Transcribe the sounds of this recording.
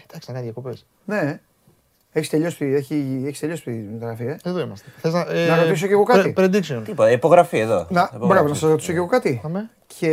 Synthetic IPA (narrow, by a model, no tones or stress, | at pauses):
d̪ɐksi̥ɐnɐðjɐkopes | ne̞ | eçist̪eʎosp̪ieçieçist̪eʎo̞spt̪imit̪oɣɾɐfieeðoimɐst̪eθeznɐnɐɣois̬o̞ceɣo̞kɐipɾed̪ikʃiont̪ipot̪ɐipoɣɾɐfieðonɐbɾɐvonɐsɐzɾot̪i̥so̞ceɣo̞kɐt̪im | cʰe